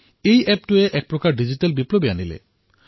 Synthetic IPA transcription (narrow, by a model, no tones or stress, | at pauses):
ejɛp̚tueʔɛk̚pɹɔkaɹɖizitalbiplobianilḛ